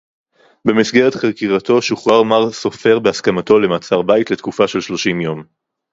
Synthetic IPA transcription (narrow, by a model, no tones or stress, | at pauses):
bemisɡeʁetχeʁkiʁato̞ʃuχʁaʁmaʁso̞fe̞ʁbeaskamato̞le̞mat͡saʁbaitle̞tkufaʃe̞lʃlo̞ʃimjo̞m